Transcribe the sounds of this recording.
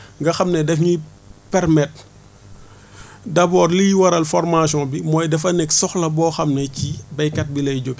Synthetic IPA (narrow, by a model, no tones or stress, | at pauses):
ŋɡɐxɐmnɛdɛfɲi | pɛɾmɛt̚ | dɐbɔːɾlijwɐɾɐlfɔɾmasjɔ̃bimɔːjdɛfɐnɛksɔxlɐbɔːxɐmnɛcibɐjkɐt̚bilɐjɟok